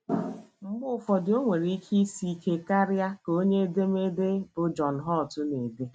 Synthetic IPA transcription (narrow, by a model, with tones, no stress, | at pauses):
m̩˦ɡ͡bʊ˦˨fɔ˨dɪ˨o˦ŋʷe˨ɾi˦kʰi˦si˦ke˦ka˦ɾja˦ko˦ɲe˦de˦me˦de˦bʊ˨d͡ʒɔ˨n̩˨ɦɔ˦˨tʊ˦ne˨de˦